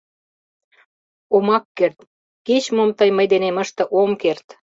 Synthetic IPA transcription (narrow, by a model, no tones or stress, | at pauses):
omɑkːert̪ | ket͡ɕmomt̪əjməjd̪enemə̆ʃt̪ə̆ʔomkert̪